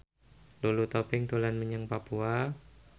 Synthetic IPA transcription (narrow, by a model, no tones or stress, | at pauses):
lulut̪ɔpɪŋt̪ulanməɲəŋpapua